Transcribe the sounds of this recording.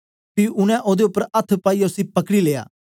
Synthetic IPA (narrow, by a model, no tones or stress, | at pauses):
piʊnɛ̃ʔoːd̪eʊpːəɾɐt̪ʰːpaːiʊsĩpɐkɽileːja̰ː